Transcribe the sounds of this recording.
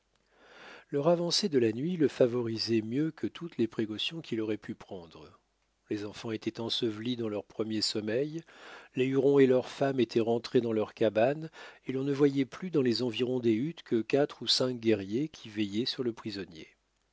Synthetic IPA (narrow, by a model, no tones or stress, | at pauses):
lœʁavɑ̃sed̪əlanɥiləfavɔʁizɛmjøkət̪ʰut̪lepχekɔsjɔ̃kʲilɔʁɛpʰypχɑ̃d̪ʁə | lezɑ̃fɑ̃et̪ɛt̪ɑ̃səvlid̪ɑ̃lœʁpχəmjesɔmɛjleyʁɔ̃elœʁfamet̪ʰɛʁɑ̃t̪χed̪ɑ̃lœʁkabanelɔ̃nəvwajɛplyd̪ɑ̃lezɑ̃viʁɔ̃d̪eyt̪kʰəkat̪χusɛ̃k̚ɡʲɛʁjekʲʰivɛjɛsyʁləpχizɔnjḛ